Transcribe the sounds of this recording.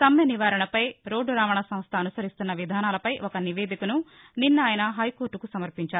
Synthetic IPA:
t̪ɐmjɐniʋaːɾɐɳɐpɐjɾoːɖːuɾaːʋɐɳɐsɐm̃st̪ʰɐːnusɐɾist̪unːɐʋid̪ʱaːnaːlɐpɐjʔɔkɐniʋeːd̪ʱikunu | ninːaːjɐnɐɦɐjkoːɾʈːukusɐmɐɾpiɲt͡ʃaːɾu

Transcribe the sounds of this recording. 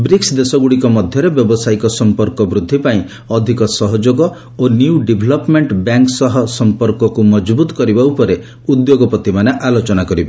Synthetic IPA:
bɾiksd̪esɔɡuɽikɔmɔd̪ʱjɔɾebjɔbɔsajkɔsɔmpɔɾkɔbɾud̪ʱːipaĩ | ɔd̪ʱikɔsɔɦɔd͡ʒoɡɔ | onjuɖibʱlɔpmeɳʈbjaŋksɔɦɔsɔmpɔɾkɔkumɔd͡ʒbut̪ɔ̥kɔɾibaupɔɾe | ud̪joɡɔpɔt̪imaneʔalot͡ʃɔnakɔɾibe

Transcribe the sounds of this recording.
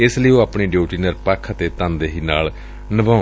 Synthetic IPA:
ɪsləiːoːaːpɳiːɖoːʈiːnəɾpaːkʰət̪eːt̪ãːnd̪eːɦiːnaːl | nəbãː

